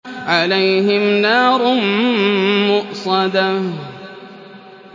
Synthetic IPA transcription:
ʕalajɦɪmnaːɾˤ | mʊʔsˤɑd̪a

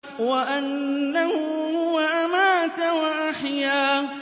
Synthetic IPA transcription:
waʔanːahʊhʊwaʔamaːt̪awaʔaħjaː

